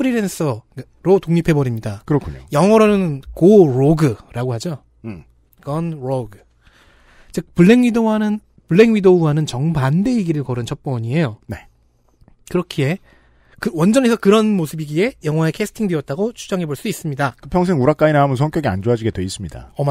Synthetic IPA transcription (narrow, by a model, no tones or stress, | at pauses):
pʰɯɾiɾens͈ʰʌ | ɾotoŋɲipʰe̞bʌɾimɲidakɯɾʌkʰuɲo̰jʌŋʌɾonɯnɯnkoɾoɡɯɾaɡoɦad͡ʑo | ɡʌnɾoɡɯ | t͡ɕepuɭːe̞ŋɥidowanɯn | puɭːe̞ŋɥidouɦanɯnt͡ɕʌŋbande̞iɡiɾɯɭkʌɾɯnt͡ɕʰʌp̚p͈ʌɲie̞jone̞ | kɯɾʌkʰie̞ | kɯwʌnd͡ʑʌne̞sʰʌkɯɾʌnmosʰɯbiɡie̞jʌŋwaekʰesʰɯ̥tʰiŋde̞ʌt̚t͈aɡot͡ɕʰu̥d͡ʑʌŋɦe̞boɭs͈duis͈ɯmɲidakɯpʰjʌŋs̬ʰe̞ŋuɾak͈ainaɦamʌns̬ʰʌŋk͈jʌɡia̰nd͡ʑoad͡ʑiɡe̞dwe̞is͈ɯmɲida̰ʌm